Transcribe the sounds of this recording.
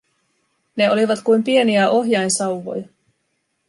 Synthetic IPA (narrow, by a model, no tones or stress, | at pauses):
ne̞o̞liʋɑt̪kujmpie̞niæʔo̞ɦjɑjnsɑwʋo̞̰jɑ